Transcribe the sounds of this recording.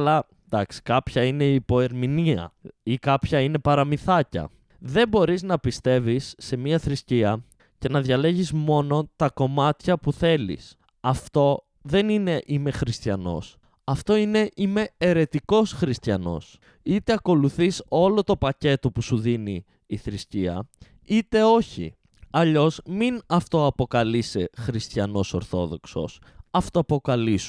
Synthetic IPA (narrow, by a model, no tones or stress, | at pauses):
lɐ | d̪ɐksi̥kɐpçɐine̞ipo̞e̞ɾminiɐ̰ikɐpçɐine̞pɐɾɐmiθɐcɐ̰ | ðe̞mbo̞ɾiznɐpist̪e̞visːe̞miɐθɾisciɐ | ce̞nɐðʝɐle̞ʝizmo̞no̞t̪ɐko̞mɐt̪çɐpuθe̞lḭs | ɐft̪o̞ | ðe̞nine̞ʔime̞xɾist̪çɐno̞̰s | ɐft̪o̞ine̞ʔime̞ːɾe̞t̪iko̞sxɾist̪çɐno̞̰s | it̪e̞ɐko̞luθiso̞lo̞t̪o̞pɐce̞t̪o̞pusuðiniː | θɾisciɐ̰ | it̪e̞o̞çḭ | ɐʎo̞sminɐft̪o̞ɐpo̞kɐlise̞xɾist̪çɐno̞so̞ɾθo̞̰ðo̞kso̞̰s | ɐft̪oɐpo̞kɐlisu